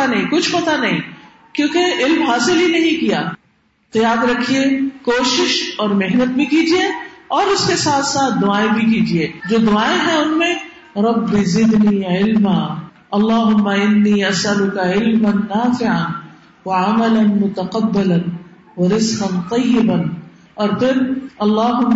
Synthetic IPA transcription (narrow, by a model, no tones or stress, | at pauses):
anɐɦĩkʊt͡ʃʰpɐt̪anɐɦĩ | kjõːkeɪlmɦaːsɪlɦinɐɦĩkijaː | qijaːd̪ɾɐkʰiekoːʃɪʃɔːɾmeɦnət̪̚bʱikiːd͡ʒieɔːɾʊskesaːt̪ʰsaːt̪̚ʰd̪ʊaːẽbʱik̬iːd͡ʒied͡ʒoːd̪ʊaːẽɦɛ̃ʊnmẽ | ɾˤɐbːizɪd̪niːʕɪlmaː | ɐlˤːaːɦʊmːaɪnːiːɐsɐlʊkaʕɪlmɐnːaːfɪʕan | wɐʕamɐlɐnmʊt̪ɐqɐbːɐlɐn | wɐɾɪzqɐnt̪ˤɐjːɪbɐn | ɔːɾpʰɪɾɐlːaːɦʊmː